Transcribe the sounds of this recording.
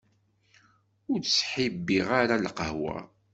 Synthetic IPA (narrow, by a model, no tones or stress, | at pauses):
ʊɾsħibːiʁaɾalqəhwæ̰